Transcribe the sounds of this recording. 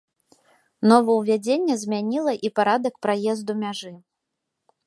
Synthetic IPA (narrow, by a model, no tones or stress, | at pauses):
nɔvɐwvʲad͡zʲenʲːɛzʲmʲanʲilˠɐʔipaɾad̪ɐkpɾajɛzd̪umʲaʐɨ